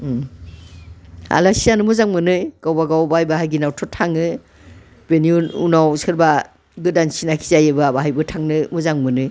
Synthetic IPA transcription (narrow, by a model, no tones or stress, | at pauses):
a̰lasijanɯmɯzaŋmɯnɯjɡ̥awbaɡawbajbaɦajɡinawtʰɔtʰaŋɯ | beniununawsɯɾba | ɡɯdansinakʰi̥zajebɯabaɦajbɯtʰaŋnɯmuzaŋmɯnɯ